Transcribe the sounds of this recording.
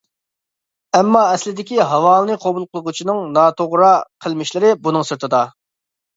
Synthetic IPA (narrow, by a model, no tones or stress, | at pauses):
ɛmːɑɛslɪd̪ɪkʲiɦɑwɑːlˠɨnɨqʰobulˠqʰəlˠəʁut͡ʃʰinɨŋnɑt̪ʰoʁɾɑqʰəlˠmɪʃlɪɾɪbunɨŋsɨɾt̪ʰɨd̪ɑ